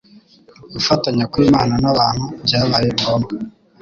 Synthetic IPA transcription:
ɡufataɲakwiːmaːnanaβaːn̥hubɟaːβajekoma

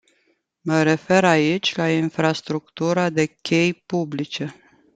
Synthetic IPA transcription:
məɾe̞fe̞ɾait͡ʃʲlainfɾast̪ɾukt̪uɾad̪e̞kʲe̞jpublit͡ʃe̞

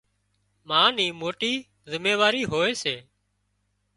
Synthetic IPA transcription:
mãːniːmoːʈiː | zəmeːʋaːɾiːɦoːeːseː

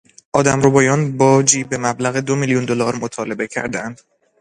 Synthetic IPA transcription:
ʔɒːd̪æmɾobɒːjɒːnbɒːd͡ʒiːbe̞mæblæɣed̪o̞miljund̪o̞lɒːɾmot̪ʰɒːle̞be̞cʰæ̰ɾd̪ænd̪̥

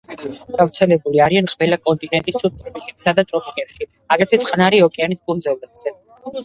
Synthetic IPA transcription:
ɡ̥avt̪sʰɛlɛbuliaɾianqʼvɛlakʼɔnt̪ʼinɛnt̪ʼisʰut̪ʼɾɔpʼikʼɛpsad̪at̪ʼɾɔpʼikʼɛpʃi | aɡat̪sʰɛt̪sʼqʼnaɾiɔkʼɛanis̚pʼund̪zɛvlɛbz̥ɛ

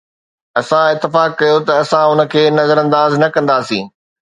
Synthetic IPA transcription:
ɐsãɪt̪ːɪfaːkːɐjot̪ɐɐsãʊnə̆kʰeːnɐzəɾɐ̃nd̪aːznɐkɐ̃nd̪aːsĩː

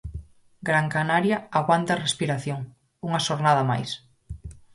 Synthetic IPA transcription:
ɡɾaŋkanaɾjɐaɣwant̪ɐrespiɾaθjoŋ | uŋɐʃoɾnað̞ɐma̰js

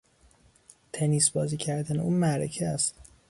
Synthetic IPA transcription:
t̪ʰeniːsbɒːziːcʰæɾd̪æneuːnmæɾecʰeæst̪

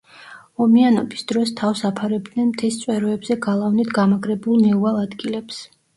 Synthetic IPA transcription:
ɔmianɔbisd̪̥ɾɔst̪ʰafsapʰaɾɛb̚d̪nɛnmt̪ʰɛst̪sʼwɛɾɔɛbzɛɡalˠavnit̪ɡamaɡɾɛbulˠnɛualˠad̪ɡilɛps

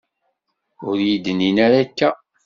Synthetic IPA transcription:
ʊɾjid̪əninaɾakːæ

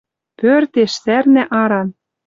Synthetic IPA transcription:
pørt̪eʃsærnæ̆ʔɑɾɑn

